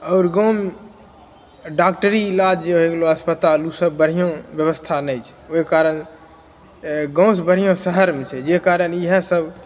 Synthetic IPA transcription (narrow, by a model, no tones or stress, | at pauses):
ɔːɾɡõm | ɖak̚ʈəɾilad͡ʒd͡ʒeɦoeɡloəspət̪alusəbːəɽ̤ijõbjəβəst̪ʰanɛjt͡ʃʰɛ̥okaɾən | ɡə̃ʊ̃sbəɽ̤ijõsəɦəɾmet͡ʃʰɛd͡ʒekaɾəniɦə̃səb